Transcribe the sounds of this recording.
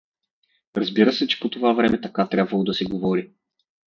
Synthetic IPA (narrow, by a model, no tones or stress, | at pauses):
ɾɐzbiɾəsɛt͡ʃɛ̥pot̪ovavɾɛmɛt̪ɐkat̪ɾʲabvɐlˠod̪ɐsɛɡovɔɾi